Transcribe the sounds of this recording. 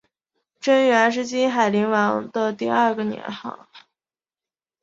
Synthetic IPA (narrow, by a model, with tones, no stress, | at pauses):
ʈ͡ʂə˥nɥɛ˧˥nʂ̬ɻ̩˥t͡ɕi˥nxa˨˩ɪli˧˥ŋwɑ˧˥ŋd̪ə˧t̪i˥˧ɐ˥˧ɡə˩njɛ̰˧˥nxɑ̰˥˩˦ʊ